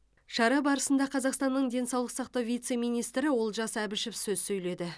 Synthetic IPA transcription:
ʃɑɾɑbɑɾəsənd̪ɑqʰɑzɑqst̪ɑnːəɴd̪e̞nsɑwlˠəqsɑq̚t̪ɑwvijt̪se̞mijnijst̪ɾɪwo̞lˠʒɑsæbɪʃɪpsɵzsɵjle̞d̪ɪ

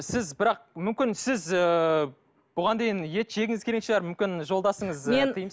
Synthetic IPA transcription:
sɪzbɪɾɑq̚mʏmkʲɪnsɪzə | b̥ʊʁɑnd̪e̞jɪnje̞t̪ʒ̥e̞ɡʲɪŋɪzkʲʰe̞ɾekʃɪɑɾmʏmkʲɪnʒo̞lˠd̪ɑsəɴəzet̪ʰəjəməs

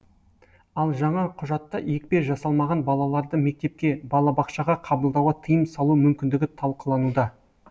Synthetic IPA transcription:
ɑlˠʒɑɴɑqʰʊʒɑt̪ːɑje̞kʲpe̞ʒɑsɑlˠmɑʁɑnbɑlˠɑlˠɑɾd̪əme̞k̚t̪e̞p̚kʲe̞bɑlˠɑbɑqʃɑʁɑqʰɑbəlˠd̪ɑwʁɑt̪ʰəjəmsɑlˠumʏmkʲɪnd̪ɪɡʲɪt̪ʰɑlˠqəlˠɑnud̪ɑ

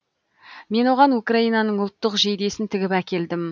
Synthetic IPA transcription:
me̞nwo̞ʁɑnukraijnɑnəɴʊlˠt̪ːəqʒe̞jd̪e̞sɪnt̪ʰɪɡʲɪpækʲe̞ld̪ɪm

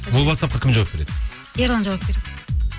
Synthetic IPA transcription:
bulˠbɑst̪ɑp̚qɑkʰʲɪmd͡ʒawap̚be̞ɾe̞d̪ɪ | eɾlˠɑnd͡ʒawap̚beɾed̪ɪ

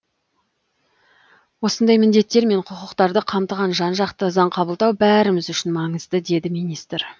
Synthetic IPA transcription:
wo̞sənd̪ɑjmɪnd̪e̞t̪ːe̞ɾme̞ɴqʰʊqʊqt̪ɑɾd̪əqʰɑmt̪əʁɑnʒɑnʒɑqt̪əzɑɴqʰɑbəlˠd̪ɑwbæɾɪmɪzʏʃɪnmɑɴəzd̪əd̪e̞d̪ɪmijnist̪ɾ

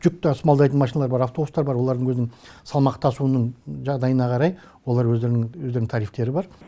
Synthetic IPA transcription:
ʒ̥ʏk̚t̪esmɑlˠd̪ɑjt̪ənmɑʃinɑlˠɑɾbɑɾɑft̪obust̪ɑɾbɑɾwo̞lˠɑɾd̪əŋwɵznɪŋsɑlˠmɑqt̪ʰɑsuənəɴʒɑʁd̪ɑjənɑqʰɑɾɑj | wolˠɑɾwɵeɾɪnɪŋwɵzd̪eɾnɪŋt̪ʰɑɾijft̪e̞ɾɪbɑɾ

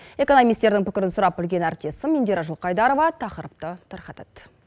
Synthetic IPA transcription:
e̞ko̞nomʲijst̪e̞ɾd̪ɪŋpʰɪkʲɪɾɪnsʊɾɑp̚bɪlɡʲe̞næɾp̚t̪e̞sɪmind̪eɾɑʒʊlˠqɑjd̪ɑɾo̞vɑt̪ʰɑqəɾəp̚t̪ət̪ʰəɾqɑt̪ɑt̪

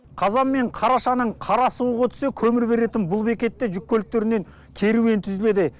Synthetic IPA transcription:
qʰɑzɑmːe̞ɴqʰɑɾɑʃɑnəɴqʰɑɾɑsuwəʁɑt̪ʰʏ̥se̞kʲʰɵmɪɾbe̞ɾe̞t̪ɪnbʊlˠbe̞kʲe̞t̪ːeʒʏk̚ʲːɵlt̪ːe̞ɾɪneŋ | kʲʰe̞ɾuwe̞nt̪ʰʏzɪle̞d̪ɪ

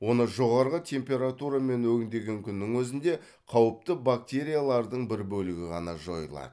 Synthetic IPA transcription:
wo̞nəʒo̞ʁɑɾʁət̪ʲʰe̞mpʲe̞ɾat̪uɾame̞nwɵɡʲɪnd̪e̞ɡʲe̞ŋkʲʰʏnːɪŋwɵzɪnd̪e̞ | qʰɑwəp̚t̪əbak̚t̪ʲe̞ɾʲijalˠɑɾd̪əɴbɪɾbɵlɪɡʲɪʁɑnɑʒo̞jlˠɑ̰d̪ə

